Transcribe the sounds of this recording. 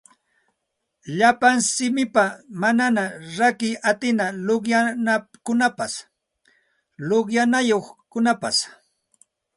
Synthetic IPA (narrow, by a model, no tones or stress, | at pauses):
ʎapaŋsɪmɪpamananaɾakɪat̪ɪnaloχjanakʊnapas | loχjanajoχkʊnapas